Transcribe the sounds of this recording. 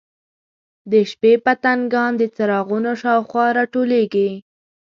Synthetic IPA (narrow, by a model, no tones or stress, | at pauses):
d̪əʃpepat̪aŋɡɑnd̪ət͡saɾɑɣunoʃɑwxwɑɾɑʈoleɡi